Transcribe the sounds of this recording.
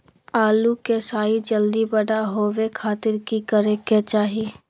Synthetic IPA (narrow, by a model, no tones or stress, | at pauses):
aːlukesaːid͡ʒəld̪ibəɽaɦoːʋekʰaːt̪ɪɾkikəɾeket͡ʃaːɦi